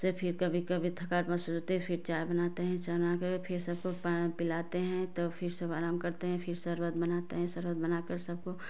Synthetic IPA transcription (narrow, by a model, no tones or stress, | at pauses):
sepʰɪɾkɐbʱikɐbʱit̪ʰɐkaːɾpɐsusɦot̪eɦpʰɪɾt͡ʃaːjbɐnaːt̪eɦɛ̃t͡ʃɐnakəpʰɪɾsɐb̚kopapɪlaːt̪eɦɛ̃t̪opʰɪɾsɐbʱaːɾaːmkɐɾt̪eɦɛ̃pʰɪɾsɐɾwəd̪̚bɐnaːt̪eɦɛ̃sɐɾwəd̪̚bɐnaːkɐɾsɐb̚ko